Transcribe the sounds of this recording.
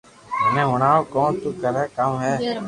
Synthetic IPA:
ɦnẽːɦʊɳaːokoːnt̪uːkəɾɛːkamɦɛː

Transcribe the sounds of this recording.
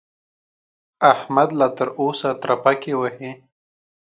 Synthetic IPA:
ahmad̪lat̪əɾoːsat̪ɾapakewahe

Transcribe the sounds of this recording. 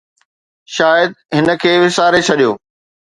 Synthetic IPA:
ʃaːjəd̪̚ɦɪnə̆kʰeːʋɪsaːɾet͡ɕʰɐɗijoː

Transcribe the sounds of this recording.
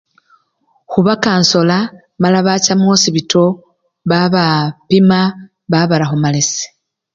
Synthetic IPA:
xuβakaːnso̞la | malaβacamo̞ːsiβitʰo̞ | βaβapima | βaβalaxomalesi̥

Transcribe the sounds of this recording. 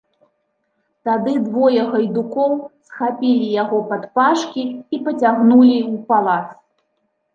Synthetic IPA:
t̪ad̪ɨd̪vɔjɐɣɐjd̪ukɔwsxapʲilʲijaɣɔpat̪paʂkʲiːpɐt͡sʲaɣnulʲiupalˠat̪s

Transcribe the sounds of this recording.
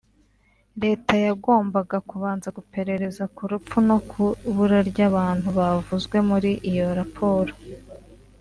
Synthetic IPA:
ɾe̞ːtajaɡo̞ːmbaɡakuβaːnzaɡupe̞ɾe̞ɾe̞zakuɾupp͡funo̞kʰuβuɾaɾɟaβaːn̥huβavuzɡwe̞muɾiʔijo̞ɾapʰo̞ːɾo

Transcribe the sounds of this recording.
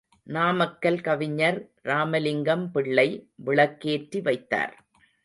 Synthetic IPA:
naːmɐkːɐlkɐʋɪɲːɐɾ | ɾaːmɐlɪŋɡɐmpɪɭːɐɪʋɪɭɐkːeːʈrɾiʋɐɪt̪ːa̰ːɾ

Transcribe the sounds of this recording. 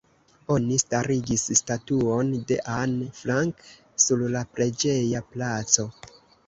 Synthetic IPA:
o̞nistaɾiɡisstatuo̞nde̞ʔanflaŋk | suɾlapɾe̞d͡ʒe̞japlat͡so̞

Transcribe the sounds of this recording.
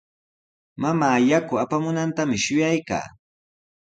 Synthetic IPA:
mamaːjakʊapamʊnant̪amɪʃʊjajka̰ː

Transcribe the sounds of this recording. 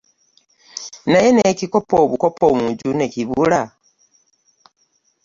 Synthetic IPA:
najenecikopoβukopomuɟune̞ciβula

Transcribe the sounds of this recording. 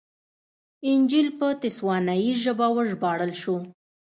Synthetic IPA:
ɪnd͡ʒilpət̪ɪswɑnajiʒəbawəʒbɑɽəlʃu

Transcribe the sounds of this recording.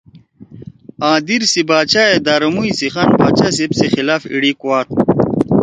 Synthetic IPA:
ãːd̪iɾsibaːt͡ɕaːed̪aːɾɐmuisiχanbaːt͡ɕas̬ipsixilaːfḭɽikuwaːt̪̚

